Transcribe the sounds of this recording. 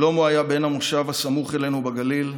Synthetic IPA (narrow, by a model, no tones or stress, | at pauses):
lo̞moajabenhamoʃavhasamuχe̞lenubaɡalil